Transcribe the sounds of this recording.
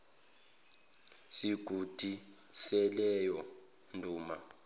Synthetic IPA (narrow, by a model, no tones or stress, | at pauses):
siɡ̥ʱud̥ʱi | sɛlɛjɔ | ndʱuːma